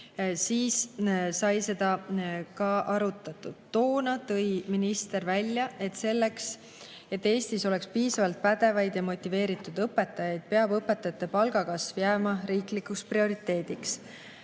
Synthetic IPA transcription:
siːssɑjse̞d̪̥ɑkɑʔɑɾut̪ːˑɑt̪ːˑu̥t̪o̞ːnɑt̪ɤ̞jminist̪e̞ɾvælʲjɑe̞t̪ːse̞lːe̞ks | e̞t̪ːe̞ːsʲt̪iso̞le̞kspiːsɑvɑlt̪̚pæd̪̥e̞vɑjd̪jɑmo̞t̪ʲːˑive̞ːɾit̪ːˑud̪̥ɤpːe̞t̪ːˑɑjɑjd̪̥̚pe̞ɑbɤpːˑe̞t̪ːˑɑjɑt̪ːˑe̞pɑlɡɑkɑsvjæːmɑɾiːklikuksprio̞ɾit̪ːe̞ːd̪̥iks

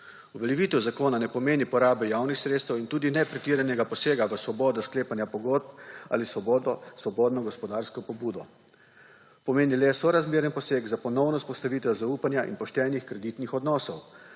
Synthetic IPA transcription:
uʋɛljɛʋiːt̪ɛwzakoːnanɛpɔmeːnipɔɾaːbɛjaːwnixsɾeːt̪st̪ɛwint̪uːd̪inɛpɾɛt̪iːɾjɛnɛɡapɔseːɡaʋəsʋɔbɔːd̪ɔskleːpanjapɔɡot̪̚pa̰ːlisɔb̪sʋɔbɔːd̪nɔɡɔspɔd̪aːɾskɔpɔbuːd̪ɔ | pɔmeːnilɛsɔɾazmeːɾənpɔseːɡzapɔnɔwnɔspɔst̪aʋiːt̪ʋɛzauːpanjaʔḭnpɔʃt̪ɛːnixkɾɛd̪iːt̪nixɔd̪nɔːsɔw

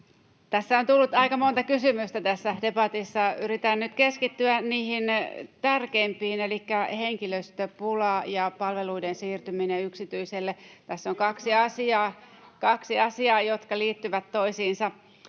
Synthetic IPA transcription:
t̪æsːæont̪ulːut̪ɑikɑmont̪ɑkysymyst̪æt̪æsːæd̥epɑt̪isːɑyɾit̪ænnyt̪keskit̪ːyænniːhint̪ærkeimpˑiːnelikːæhe̞ŋkiløst̪øpulɑjɑpɑlʋe̞luidensiːrt̪ymineyksit̪yiselːet̪æsːoŋkɑksiɑsiɑː | kɑksiɑsiɑːjot̪kɑliːt̪ːyʋæt̪toisiːnsɑ

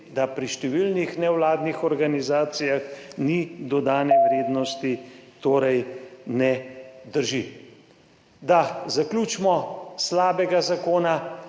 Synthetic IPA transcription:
d̪apɾiʃt̪ɛʋilnixnɛwlaːd̪nixɔɾɡanizaːt̪sijaxnid̪ɔd̪aːnɛʋɾeːd̪nɔst̪it̪oːɾɛjnɛd̪əɾʒi | d̪azaklʲut͡ʃmɔslaːbɛɡazakoːna

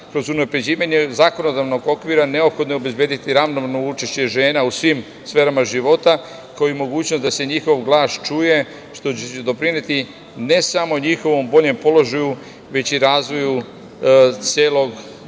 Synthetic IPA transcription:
kɾo̞zunopɾed͡ʑiːʋaɲezako̞no̞d̪aʋno̞ɡo̞kʋiːɾane̞o̞pxo̞d̪nojobe̞zbjeːd̪it̪iɾaʋnomnout͡ʃe̞ʃt͡ɕe̞ʒe̞ːnausʋim | sʋeːɾamaʒiʋo̞t̪a | kaoimo̞ɡuːt͡ɕnost̪d̪ase̞ɲixo̞ʋɡlˠaːʃt͡ʃuje̞ | ʃt̪o̞t͡ɕesed̪o̞pɾinet̪i | ne̞samo̞ɲixo̞ʋo̞mbo̞ʎe̞mpo̞lˠo̞ʒaju | ʋe̞t͡ɕiɾaːzʋo̞ju | t̪sjeːlˠo̞ɡ

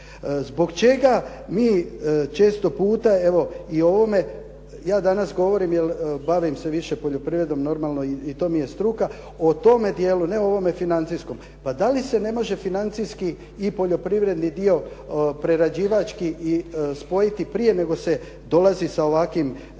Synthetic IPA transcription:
zbo̞ɡt͡ʃe̞ɡa | miːt͡ʃe̞ːst̪o̞puːt̪ae̞ʋo̞io̞ʋo̞me̞ | jaːd̪anasɡo̞ʋo̞ɾimje̞lbaʋimse̞ʋiʃe̞po̞ʎo̞pɾiːʋɾe̞d̪no̞mno̞ɾmalˠno̞iit̪o̞ːmije̞st̪ɾuka | ot̪o̞me̞d̪jeːlune̞oo̞ʋo̞me̞finant̪ijsko̞m | pad̪alise̞ne̞mo̞ʒe̞finant̪sijskiː | po̞ʎo̞pɾiʋɾe̞d̪nid̪io̞pɾe̞ɾad͡ʑiːʋat͡ʃkiispo̞jit̪ipɾije̞ne̞ɡo̞se̞ | d̪o̞lˠazisao̞ʋakʋim

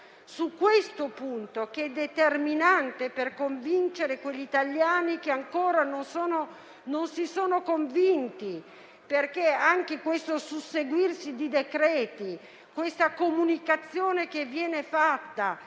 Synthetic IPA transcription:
sukːwest̪opunt̪okɛd̪ːet̪erminant̪eperkoɱvint͡ʃeɾekweʎːiːt̪aʎjaːnikeaŋkoːɾanonsoːno | nonsisoːnokoɱvint̪i | perkeaŋkekwest̪osusːeɡwirsid̪id̪ekɾɛːt̪i | kwest̪akomunikat̪sːjoːnek̟evːjɛːnefat̪ːa

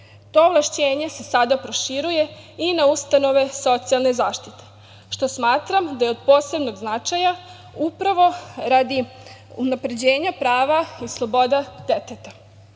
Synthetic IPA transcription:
t̪o̞oʋlˠaʃt͡ɕe̞ːɲe̞sesad̪apɾo̞ʃiɾuje̞ | inaust̪ano̞ʋe̞so̞t̪sialˠne̞zaːʃt̪it̪e̞̥ | ʃt̪o̞smaːt̪ɾamd̪ajeo̞d̪po̞ːse̞bno̞ɡznat͡ʃaja | upɾaʋo̞ɾad̪iunapɾe̞d͡ʑeːɲapɾaːʋaislˠo̞bo̞d̪ad̪̥et̪et̪ḁ

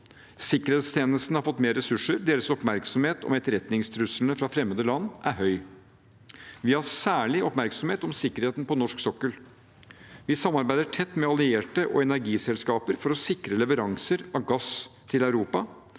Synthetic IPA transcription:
sɪkəɾheːt̪st̪ʰjeːnəst̪n̩hɑɾfɔt̪ːmeːɾɛsʉʂːəɾd̪eːɾəsɔpmæɾksɔmheːt̪ɔ̰mɛt̪əɾɛt̪nɪŋst̪ʰɾʉslnəfɾɑfɾɛmːəd̪əlɑnːʔæɾɦœʏ | ʋɪhɑɾsæːɭɪʔɔpmæɾksɔmheːt̪ɔmsɪkːəɾheːt̪n̩pɔnɔʂksɔkːəl | ʋɪsɑmːɑɾbæɪd̪əʈʰɛt̪ːmɛɑlɪeːʈəʔɔ̰ɛnæɾɡiːsɛlskɑːpəɾfɔɾɔsɪkɾəlɛʋəɾɑŋsəɾɑʋɡɑst̪ʰɪlæʉɾuːpɑ

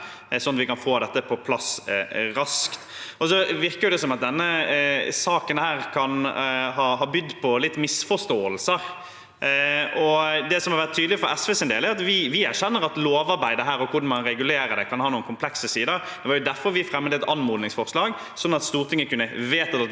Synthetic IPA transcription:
sɔnːɑt̪ʋɪkɑnfoːd̪ɛt̪ːəpʰɔpʰlɑsɾɑskt̪ɔsɔʋɪɾkəɾjʊd̪ɛsɔmɑt̪̚d̪ɛnːəsɑːkənhæːɾkʰɑnɦɑːɦɑːbʏd̪ːpʰɔlɪt̪ːmɪsfɔɾst̪oːəlsəɾ | ʔɔd̪ɛsɔmhɑɾʋæɾt̪ʰːyːd̪lɪfɔɾɛsʋɛːsɪnd̪eːlæɑt̪ʋɪʋɪæɾɕɛnːəɾɑt̪loːʋɑɾbæɪd̪əɦæːɾɔkʰʊɾn̩mɑnɾɛɡʉleːɾəd̪ɛkʰɑnhɑːnuːənkʰʊmpʰlɛksəsiːd̪əɾ | d̪̥ɛʋɑɾjʊd̪æɾfɔɾʋɪfɾɛmːəd̪ɛt̪ɑnmuːd̪nɪŋsfɔʁslɑːɡ | sɔnːɑt̪st̪uːɾt̪ʰɪŋːəkʉnːəʋeːt̪ɑt̪

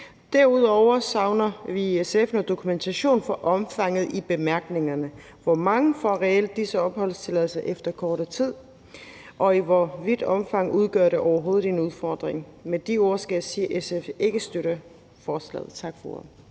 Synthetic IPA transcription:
d̥æɐ̰uð̞̰ˠɒʊ̰ɐsɑ̈ʊnɐʋiesefnɒd̥o̝kʰument͡sʰæɕo̝̰ːnfɒʔɒ̽mfɑ̈ŋ̰ð̩ˠib̥e̝mæɐɡ̥ne̝ŋɐnə | ʋɒmɑ̈ŋəfɒʁɛel̰d̥̚d̥isəɒ̽b̥hɒ̽l̰st͡sʰe̝lɛð̩ˠsɑɪʔefd̥ɐkʰɒːɾ̥ət͡sʰið̞̰ˠ | ʔɒ̽iʋɒʋid̥ɒ̽mfɑ̈ŋ̰uð̞ˠɡ̥ɶɐɾeʔɒʊɐɦo̝ːð̞̩ˠd̥ienuð̞ˠfɒ̰ːd̥ʁeŋmed̥io̝ɐsɡ̥æjasiːʔesefe̝ɡ̥əsd̥øɾə | fɒːslɛ̰ːð̩ˠt͡sʰɑ̈ɡ̥fo̰ː

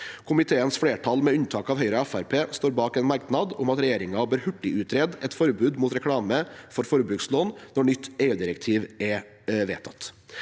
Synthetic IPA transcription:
kʰʊmɪt̪ʰeːənsfɽeːʈʰɑlmɛʉnt̪ʰɑːkɑːʋɦœʏɾəæfæɾpʰeːst̪oːɾbɑːkɛːnmɑɾknɑd̪ʊmɑt̪ɾɛjeːɾɪŋɑbøːɾhʉʈːɪʉːt̪ʰɾɛd̪ɛt̪fɔɾbʉːd̪muːt̪ɾɛkʰɽɑːməfɔɾfɔɾbʉɡsloːnnɔɳʏt̪ːeːʉːd̪ɪɾəkt̪ʰiːʋɛ | ʋeːt̪ʰɑt̪ː

